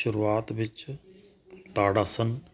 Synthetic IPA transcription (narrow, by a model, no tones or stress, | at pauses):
ʃʊɾuaːt̪ʋɪt͡ʃ | t̪aːɽaːsən